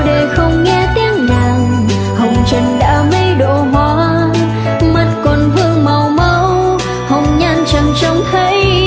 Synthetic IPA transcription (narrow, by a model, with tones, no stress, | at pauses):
ɗe˨˩xə˧wŋ͡mŋɛ˧t̪ɛ˨˦ŋnaː˨˩w | hə˨˩wŋ͡mt͡ɕə˨˩ŋɗa̰ː˧˥mə˧˦jɗo̰˧˨ɦa˧˩ | ma˨˩t̚kɔ˨˩nvɨ˧əŋma˨˩wmə˧˦w | hə˨˩wŋ͡mɲa˧nt͡ɕə˨˩nt͡ɕɔ˨˦wŋ͡mt̪ʰə˧˦j